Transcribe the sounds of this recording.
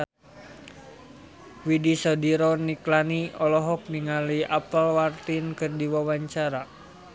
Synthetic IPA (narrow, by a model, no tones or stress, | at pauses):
widisɔdiɾɔniklaniɔlɔɦɔk̚niŋaliʔapalwart̪inkɨrdiwawaɲt͡ʃaɾa